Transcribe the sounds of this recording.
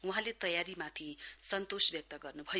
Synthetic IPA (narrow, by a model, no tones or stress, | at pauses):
uɦãlet̪ʌjaɾimat̪ʰisʌnt̪osbjʌk̚t̪ʌɡʌrnubʱʌj